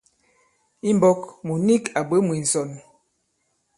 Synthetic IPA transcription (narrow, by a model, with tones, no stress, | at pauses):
i˦m˦bɔ˦kmu˨ni˦ka˨bə˨˦mwi˨n̩˨sɔ˨n